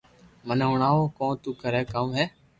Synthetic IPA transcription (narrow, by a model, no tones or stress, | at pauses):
mənɦʊɳaːoːkõːt̪uːkəɾeːkəmɦeː